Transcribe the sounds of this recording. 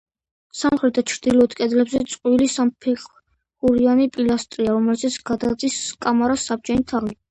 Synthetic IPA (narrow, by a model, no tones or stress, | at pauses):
samχɾɛt̪̚ʰd̪at͡ʃʰɾd̪ilɔːt̪kʼɛd̪lɛbzɛt̪sʼqʼwilisampʰɛχ | uɾianipʼilast̪ʼɾiaɾɔmɛlzɛt̪sʰɡ̥ad̪ad̪ziskʼamaɾasab̚d͡ʒɛnit̪ʰali